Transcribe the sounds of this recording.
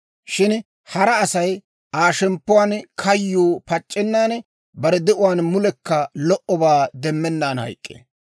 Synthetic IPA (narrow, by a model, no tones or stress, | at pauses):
ʃɪn | hɐɾɐːsɐj | ʔaːʃɛmpːʊwaːnkʰɐjːoːpɐt͡ʃʼːɛnːaːn | bɐɾɛd̪ɛʔʊwaːnmʊlɛkːɐlɔʔɔbaːd̪ɛmːɛnːaːnhɐ̰jkʼːḛː